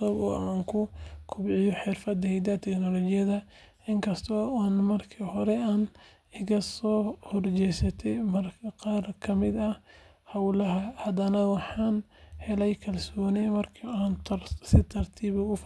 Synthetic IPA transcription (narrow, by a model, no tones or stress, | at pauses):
ɔbɔ̰ːʔaːŋkʰʊkʰʊbʕɪjɔħɪrfɐd̪hɛjd̪ɐt̪ʰɛknɔlɔt͡ʃɪjɐðɐ | ɪŋkʰɐst̪ʰɔaːnmɐrkʰiːhɔɾɛaːn | ɪɣɐsɔːhɔrt͡ʃɛjsɐt̪ʰɛmɐrkʰɐqɑːrkʰɐmɪd̪ɐ | hɐwlɐɦɐhɐd̪ɐnɐwɑħɑːnhɛlɛjkʰɐlsɔːnɛmɐrkʰɐaːnt̪sɪt̪ʰɐrt̪ʰiːβɐʊf